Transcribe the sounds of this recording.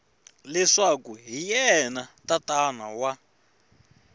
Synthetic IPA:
lɛʂakuɦijɛnatatanawa

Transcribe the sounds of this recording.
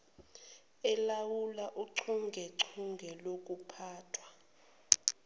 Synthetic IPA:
ɛlawulaʔuǀʰuŋɡʱɛǀʰuŋɡʱɛlok̬ʼupʰaːtʰwa

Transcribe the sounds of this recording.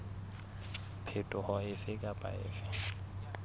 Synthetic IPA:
pʰetʼʊhɔɪfɪkʼapʼa̰ɪ̰ːfɪ

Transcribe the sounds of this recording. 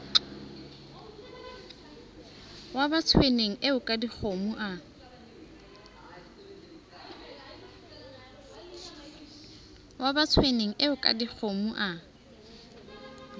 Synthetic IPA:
wabat͡sʰweneŋ̩ʔeʊkʼadik͡xʰomuʔa | wabat͡sʰweneŋ̩ʔeʊkʼa̰dik͡xʰomuʔa

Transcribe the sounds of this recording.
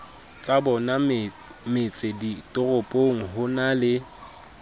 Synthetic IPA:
t͡sʼabɔna | met͡sʼeditʼʊrʊpʼoŋ̩ɦʊnalɪ

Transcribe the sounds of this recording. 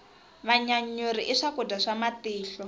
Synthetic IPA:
βaɲaɲuɾiʔiʂakudaʂamatiːɬɔ

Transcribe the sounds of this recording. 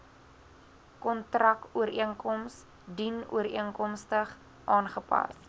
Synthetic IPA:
kɔntrɐkuəɾiəŋkɔms | dinṵəɾiəŋkɔmstəχ | ʔɑːnχəpɐ̰s

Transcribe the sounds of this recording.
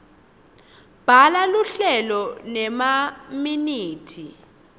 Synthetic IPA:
b̥ʱalaluɬɛlɔnɛmaminiːtʰi

